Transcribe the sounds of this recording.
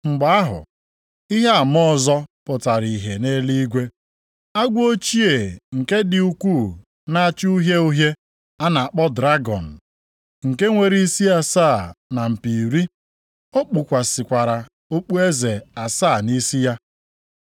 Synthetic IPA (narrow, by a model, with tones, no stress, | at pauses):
ŋ͡m̩˨ɡ͡ba˨a˦ɦʊ̰˨ | i˦ɦe˦a˨mɔ˦˨zɔ˦pʊ˨ta˨ɾi˨ɦe˨ne˦li˦ɡʷe˦ | a˦ɡʷo˦t͡ʃi˦e˨ŋ̩˨ke˦dɪ˨u˦kʷuː˦˨ | na˦a˦t͡ʃu˦ɦje˦u˦ɦje˦ | a˦na˨a˨k͡pɔ˦dɾa˦ɡɔ˨n̩˨ | ŋ̩˨ke˦ŋʷe˨ɾi˦i˦si˦a˨saː˦˨na˨m̩˨pi˨ɾi˦ | o˦k͡pu˨kʷa˨sɪ˨kʷa˨ɾa˨ | o˦k͡pu˦e˦ze˨a˨saː˦˨ni˦si˦ja˦